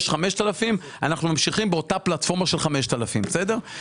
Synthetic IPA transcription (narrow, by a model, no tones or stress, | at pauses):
ʃχameʃt̪alafim | anaχnumamʃiχimbeo̞taplatfo̞ʁmaʃe̞lχameʃt̪alafimbesede̞ʁ